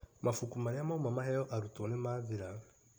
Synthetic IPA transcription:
mʔafukumaɾiamaumamahɛjɔʔaɾutɔnemaviɾa

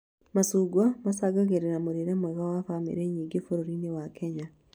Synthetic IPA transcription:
masuːɡwamasaɡaɣeɾeɾamoɾeɾamwɛɣawafamḛɾeɲiːɡefoɾoɾinewakʰɛɲa

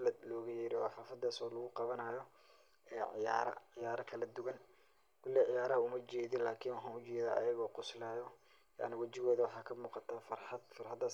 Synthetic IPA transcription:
lɐd̪lɔːɣɐjɛːɾɪwɑfaːfɐd̪aːsɔːlɐɣʊqɑβɐnajɔ | ɛːʕɪ̰ja̰ːɾɐ̰ʕɪjaːɾɐkʰɐlɐd̪ʊɣɐn | kʰʊlːiʕɪjaːɾɐɦʊmɐt͡ʃɛːðɪnlaːkʰɪːnwɑħɑːnʊt͡ʃɛːðaːʔɐ̰jɐɣɔːqʊslaːjɔ | ja̰ʕnɪwɐt͡ʃɪɣɔːðɐwɑħɑːkʰɐmuːqɑt̪ʰaːfɐrħɑd̪fɐrħɐd̪aːs

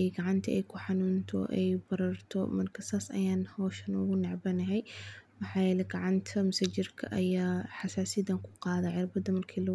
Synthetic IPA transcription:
ɛjɡɑʕɑnt̪ʰɐʔɛjkʰʊħɑnuːnt̪ʰɔ̰ʔɛ̰jbɐɾɐrt̪ʰɔ̰mɐrkʰɐsaːsɐ̰jaːnhɔːʃɐnʊɣʊnɛʕbɐnɐɦɛjmɑħaːjɛːlɛɡɑʕɑnt̪ʰɐmʊsad͡ʒɪrkʰɐʔɐjaːħɑsaːsɪd̪ɐŋkʰʊ̥qɑːðɐʕɪrbɐðɐmɐrkʰiːlɐ

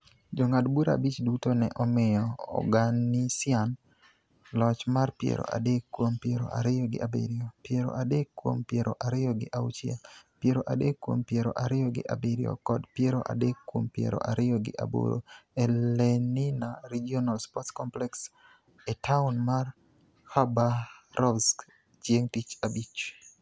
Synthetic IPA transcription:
d͡ʒoŋadbuɾa̰bit͡ʃdutonɛʔɔmɪjɔ̰ːɡanɪsɪan | lɔt͡ʃmarpjḛɾo̰ʔa̰dekːwompjeɾo̰ʔa̰ɾɪjɔɡɪ̰ʔabḛɾiopjeɾo̰ʔadekːwo̰mpjeɾo̰ʔaɾɪjɔɡɪʔawt͡ʃia̰pjeɾoʔadekːwo̰mpjeɾo̰ʔaɾɪɔɡɪ̰ʔabeɾio̰kɔdpjeɾo̰ʔa̰dekːwo̰mpjḛɾo̰ʔaɾɪɔɡɪʔa̰bo̰ɾo̰ɛlɛnɪnaɾid͡ʒionalspɔtskɔmplɛks | ɛtaʊnmar | habaɾɔbsk | t͡ʃjeŋtit͡ʃabit͡ʃ

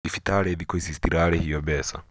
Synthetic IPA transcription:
ifitʰaɾɛðikɔisistiɾaɾɛhijɔbɛsa̰

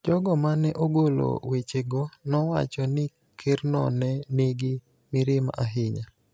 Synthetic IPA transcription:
d͡ʒɔɡɔmanɛʔoɡolo̰wet͡ʃeɡɔnɔwa̰t͡ʃɔnɪ | kʰɪrnɔ̰nɛniɡɪ | mɪɾɪma̰ʔaɦɪɲa

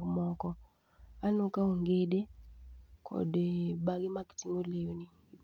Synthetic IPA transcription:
mɔkɔ | anokauŋɡede | kʰɔ̰dɓaɡimaki̥tiŋolejoni

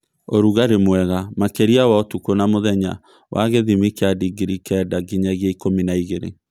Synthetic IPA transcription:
oɾuɣaɾemwɛɣamakeɾiawaotukonamoðɛɲa̰ | wʔa̰ɣeðimikeadiɡiɾikɛdaɡiɲaɣiaikominaiɣeɾḛ

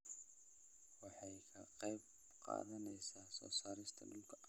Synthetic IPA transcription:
wɑħɑjkʰɐqɑjb̚ | qɑ̰ːðɐnɛjsaːsɔ̰ːsaːɾɪst̪ʰɐ̰lʊlkʰɐ

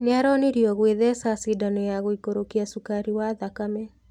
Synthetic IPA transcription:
ɲaɾɔneɾjɔɣweðɛsasidanɔjaɣoikoɾokiasukaɾiwaðakamɛ

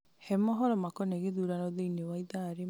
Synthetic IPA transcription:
hɛmɔɦɔɾɔmakɔneɡed̪uɾaɾɔd̪einewajd̪aːɾe

